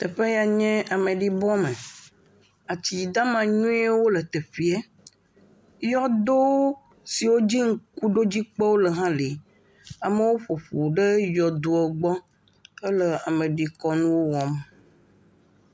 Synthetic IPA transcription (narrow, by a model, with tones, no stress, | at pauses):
t̪ə˨ɸe˦ja˨ɲɛ̃˦a˨mẽ˨ɖi˦bɔ˦mẽ˨ | a˨t͡ɕi˨d̪a˦mã˨ɲũ˦e˦wo˦lə˨t̪e˨ɸi˨ɛ˦ | jɔ˦d̪o˦ | si˨wo˦d͡ʑi˦ŋ̩˦ku˦ɖo˦d͡ʑi˦k͡pe˦wo˦lə˨ɦã˦li˨ | a˨me˦wo˦ɸo˨ɸo˨ɖe˦jɔ˨d̪o˨ɛ˨ɡ͡bɔ˦ | ə˦lə˨a˨mẽ˨ɖi˨kɔ˦nũ˦wo˦wɔ˨m